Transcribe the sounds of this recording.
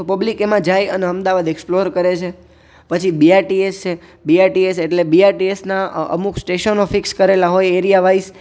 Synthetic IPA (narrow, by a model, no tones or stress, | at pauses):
opəblikemãd͡ʒajəneəmd̪aʋad̪eksploɾkəɾet͡ʃʰe | pət͡ʃʰibiaʈiest͡ʃʰe | biaɾʈieseʈlebiaɾʈiesnaə̰mukʰsʈeʃənofɪkskəɾelaɦojeɾijaʋais